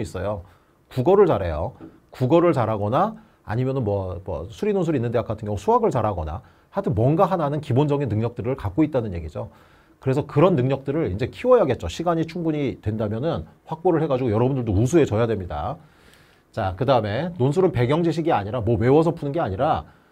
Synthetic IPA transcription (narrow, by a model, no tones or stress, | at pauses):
is͈ʌjo | kuɡʌɾɯɭt͡ɕaɾɦe̞̰jo̰ | kuɡʌɾɯɭt͡ɕaɾɦaɡʌna | a̰ɲimjʌnɯnmwʌmʌ̰sʰuɾinonsʰuɾinːɯndeak͈atʰɯŋjʌŋusʰuɦaɡɯɭt͡ɕaɾɦaɡʌ̰na̰ | hatʰɯmwʌnɡaɦananɯnkibond͡ʑʌɡinːɯŋɲʌk̚t͈ɯɾɯɭkak͈oit̚t͈anɯnje̞ɡid͡ʑo | kɯɾe̞sʰʌkɯɾʌnːɯŋɲʌk̚t͈ɯɾɯɾind͡ʑe̞kʰiwʌjaɡe̞t̚t͡ɕ͈oɕʰiɡaɲit͡ɕʰuŋɡuɲitwe̞ndamjʌnɯnɸwak̚p͈oɾɯɭhe̞ɡad͡ʑiɡojʌɾʌbundɯɭdousʰue̞t͡ɕʌjadwe̞mɲida̰ | t͡ɕakɯdaɯme̞nonsʰuɾɯnpe̞ɡjʌŋd͡ʑiɕ̬ʰiɡiaɲiɾamwʌwe̞wʌs̬ʰʌpʰunɯnɡe̞aɲiɾa